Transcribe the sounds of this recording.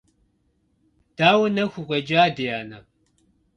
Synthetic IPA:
d̥aːwɐnɐxʷuqʷʼɐd͡ʒaːdejaːnɐ

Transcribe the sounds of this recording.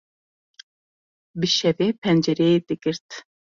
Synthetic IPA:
bɨʃɛvepʰɛnd͡ʒɛɾɛjid̪ɨɡɨɾt̪

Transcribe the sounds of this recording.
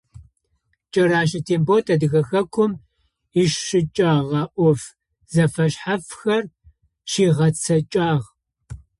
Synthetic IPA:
t͡ʃʼɐɾaːʃɐtʰeːmbotʰɐdɨɣɐxɐkʷʰʊm | iʃʃɨt͡ʃʼaːʁɐʔʷɔf | zɐfɐɕħafxɐr | ʃiːʁɐt͡sʰɐt͡ʃʼaːʁ

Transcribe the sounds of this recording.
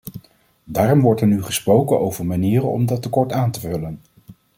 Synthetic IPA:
daːrɔmʋɔɹtɛɹnyχəsprowkənowvəɹmaniːrənɔ̰mdɑtːəkɔɹtaːntəvɵlən

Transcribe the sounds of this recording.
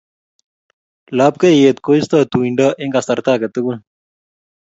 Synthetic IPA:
laːp̚kɐjeːt̪̚koist̪at̪uiɳɖɐʔeŋɡɐst̪ɐɾt̪aːkɐt̪ɐɡun

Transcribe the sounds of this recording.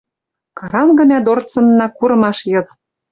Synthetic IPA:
kɑɾɑmɡɤ̆nʲæd̪ort͡sɤ̆nːɑkuɾɤ̆mɑʃjɤ̆k

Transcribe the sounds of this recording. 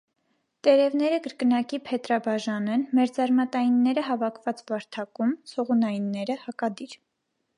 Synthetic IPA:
t̪ɛɾɛvn̪ɛɾəɡəɾkənɑkipʰɛt̪ɾɑbɑʒɑnɛnmɛɾd͡zɑɾmɑt̪ɑjinːɛɾəɦɑvɑkʰvɑt͡svɑɾt̪ʰɑkumt͡sʰɔʁunɑjinːɛɾəhɑkɑd̪iɾ

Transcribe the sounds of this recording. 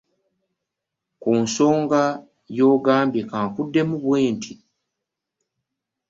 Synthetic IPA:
kuːnso̞ːŋɡa | jo̞ːɡaːmbje̞kaːŋkudːe̞muβweːntʰi

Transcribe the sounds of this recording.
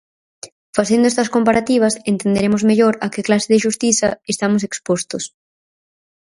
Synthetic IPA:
faθend̪ʊɛst̪ɐskompaɾat̪iβ̞ɐsent̪end̪eɾemozmeʎoɾɐkɪklasɪðeʃust̪iθɐest̪amos̬ekspost̪ʊs

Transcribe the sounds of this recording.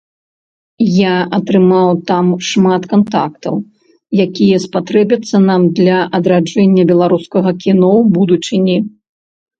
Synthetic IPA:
jaɐt̪ɾɨmawt̪amʂmat̪kant̪a̰kt̪ɐw | jakʲijɐspat̪ɾɛbʲɐt̪sːɐnamd̪lʲɐʔɐd̪ɾad͡ʐɛnʲːɐbʲɛlˠaɾuskɐɣɐkʲinɔbud̪ut͡ʂɨnʲi

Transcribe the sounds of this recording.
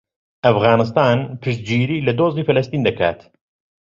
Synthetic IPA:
ʔɐfɣɑːnɨs̬t̪aːnpʰɨʃt̪̚d͡ʒiːɾiːlɐd̪oːziːfɐlɐst̪iːnd̪ɐkʰa̰ːt̪

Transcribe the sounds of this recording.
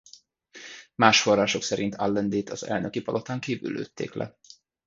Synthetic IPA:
maːʃfo̞raːʃo̞ksɛɾʔint̪ʰalːɛnd̪eːt̪ʰɒzɛ̰lnøkipɒlʔot̪aːŋkiːvy̰lø̰ːt̪ːḛːklʔɛ̰

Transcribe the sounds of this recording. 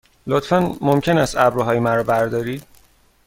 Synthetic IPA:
lot̪fænmomcʰenæst̪æbɾuɦɒːjemæɾɒːbæɾd̪ɒːɾiːd̪̥

